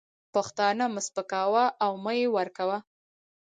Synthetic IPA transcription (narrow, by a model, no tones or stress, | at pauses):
paxt̪ɑnamʊspəkɑwaʔawməjewaɾkawa